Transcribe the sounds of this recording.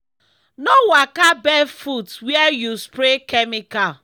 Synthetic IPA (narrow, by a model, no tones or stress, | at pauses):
nowakabɛfutwɛjuspɾekɛmikal